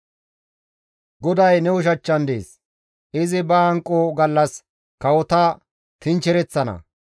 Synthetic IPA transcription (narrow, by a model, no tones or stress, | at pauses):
ɡɔd̪ɐjnɛʊʃ̬ɐt͡ʃːɐnd̪ḛːs | ʔɪzɪbɐɐŋkʼːoɡɐlːɐs | kɐwɔt̪ɐ | t̪ɪnt͡ʃɛɾɛt͡sːɐnɐ̰